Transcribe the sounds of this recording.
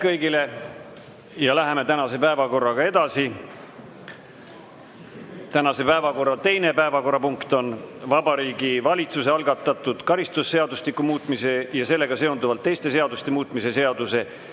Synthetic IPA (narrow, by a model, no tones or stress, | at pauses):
kɤjɡile̞ | jɑlæɦe̞me̞t̪ænɑse̞pæevɑko̞rːɑɡ̥ɑe̞d̪̥ɑsi | t̪ænɑse̞pæevɑko̞rːɑt̪e̞jne̞pæevɑko̞rːɑpuŋkt̪o̞nvɑbɑɾiːɡivɑlʲit̪suseɑlɡ̥ɑt̪ːˑɑt̪ːˑud̪̥kɑɾist̪usːe̞ɑd̪uslikːˑumuːt̪ˑmise̞jɑse̞lːe̞ɡ̥ɑse̞ond̪uvɑlt̪ːe̞jst̪e̞se̞ɑd̪ust̪e̞muːt̪ˑmise̞se̞ɑd̪̥use̞